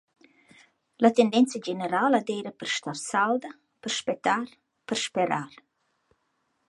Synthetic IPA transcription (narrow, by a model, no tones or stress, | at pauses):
lat̪ɛnd̪ɛnt͡sad͡ʒɛnɛɾalad̪ɛjɾəpəɾʃt̪aɾsald̪ə | pəɾʃpɛt̪aɾ | pəɾʃpɛɾaɾ